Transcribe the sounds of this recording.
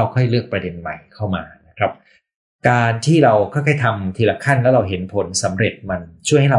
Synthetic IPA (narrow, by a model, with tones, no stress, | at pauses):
a˧˩wkʰɔ˥˩jlɯ˥˩ək̚pɾa˧de˧nma˨˩jkʰa˥˩wma̰ː˧na˦˥kʰɾa˦˥p̚ | kaː˧nt̪ʰiː˥˩ɾa˧wkʰɔː˥˩jkʰɔː˥˩jt̪ʰa˧mt̪ʰiː˧la˧kʰa˥˩nlɛ˦˥ɾa˧wɦe˩˦npʰo˩˦nsa˩˦mɾe˨˩t̪̚ma˧nt͡ɕʰu˥˩əjha˥˩jɾa˧